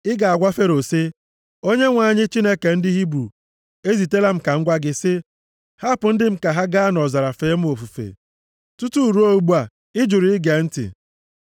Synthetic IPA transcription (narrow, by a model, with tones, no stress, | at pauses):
ɪ˦ɡa˨a˨ɡʷa˦fe˦ɾo˨se˦ | o˦ɲe˦ŋʷa˨ɲɪ˦t͡ʃi˦ne˦ke˨n̩˦dɪ˦ɦi˦bɾṵ˨ | e˦zi˨te˦la˦m̩˦ka˨ŋ̩˦ɡʷa˦ɡɪ˦sɪ˦ | ha˦pʊ˨n̩˦dɪ˦m̩˦ka˨ɦa˦ɡa˦nɔ˨za˨ɾa˨feː˨˦m̩˦o˨fu˨fḛ˨ | tʊ˦tu˦˨ɾu˦o˦u˨ɡ͡bu˦a˨ | ɪ˦d͡ʒʊ˨ɾi˦ɪ˦ɡe˨n̩˦tɪ̰˨